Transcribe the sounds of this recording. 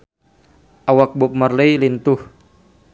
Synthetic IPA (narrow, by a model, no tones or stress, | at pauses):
ʔawak̚bup̚mərlejlint̪ʊh